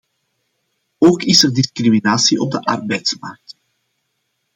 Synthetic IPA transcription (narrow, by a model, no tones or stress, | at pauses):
oːkɪsərdɪskriminaːsiʔɔb̚dəʔɑ̰rbɛjtsmɑ̰rk̚t